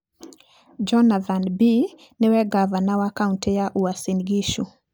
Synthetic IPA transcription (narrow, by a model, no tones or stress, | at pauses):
d͡ʒɔnaθanbi | nɪwɛɡavanawakauntɛjaʔuasinɡiʃu